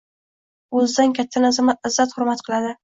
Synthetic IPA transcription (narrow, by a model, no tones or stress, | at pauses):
ɵzd̪ankʲʰat̪ʰːanazamaɪzːat̪hʊɾmat̪qʰɨlˠad̪ɪ